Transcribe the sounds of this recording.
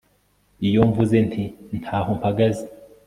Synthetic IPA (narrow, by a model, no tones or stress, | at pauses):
ijoɱvuzentʰin̥tʰaːɦompʰaɡazi